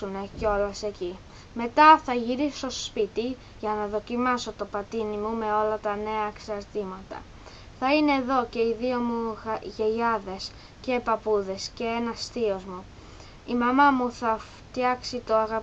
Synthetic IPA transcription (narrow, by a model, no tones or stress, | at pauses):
une̞ceo̞lɐse̞ci | me̞t̪ɐθɐʝiɾiso̞spit̪i | ʝɐnɐðo̞cimɐso̞t̪o̞pɐt̪inimume̞o̞lɐt̪ɐne̞ɐeksɐɾt̪imɐt̪ɐ̰ | θɐine̞ːðo̞ce̞iðio̞muʝe̞ʝɐðe̞s | ce̞pɐpuðe̞sce̞e̞nɐst̪io̞zmu | imɐmɐmuθɐft̪jɐksit̪o̞ɐɣɐ